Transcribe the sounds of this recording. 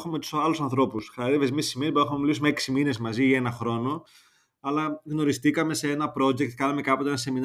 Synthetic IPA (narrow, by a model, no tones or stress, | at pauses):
xumet̪u̥sɐlusɐnθɾo̞pusxɐɐɾevezmissimieboexumemilisumeeksimine̞zmɐziɐe̞nɐxɾo̞no̞ | ɐlɐɣno̞ɾist̪ikɐme̞seenɐpɾo̞ʝek̚t̪̚kɐnɐmekɐpo̞t̪eenɐse̞min